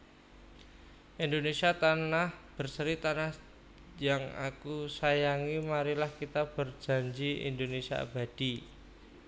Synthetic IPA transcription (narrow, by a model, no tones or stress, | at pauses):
ʔind̪onesiat̪anahb̥ərsəɾit̪anah | jaŋa̰kusajaŋimaɾilahkit̪ab̥ərd͡ʒ̥a̤ɲd͡ʒiḭnd̪onesia̰ba̤d̥i